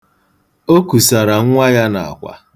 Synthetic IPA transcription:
o˦ku˨sa˨ɾa˨ŋ̩˦ŋʷa˦ja˦na̰˨a̰˨kʷa̰˨

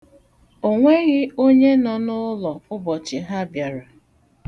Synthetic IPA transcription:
o˨ŋʷe˦ɣɪ˦o˦ɲe˦nɔ˨nʊ˦lɔ˨ʊ˦bɔ˨t͡ʃɪ˨ɦa˦bja˨ɾa˨

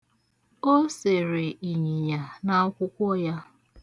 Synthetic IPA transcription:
o˦se˨ɾe˨i˨ɲi˨ɲa˨na˦ɔ˦kʷʊ˦kʷɔ˦ja˦

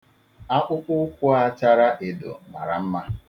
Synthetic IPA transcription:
a˦k͡pʊ˦k͡pʊ˦kʷʊ˦a˦t͡ʃa˦ɾa˦ʔe˨dʊ̰˨ma̰˨ɾa̰˨m̩˦ma˦

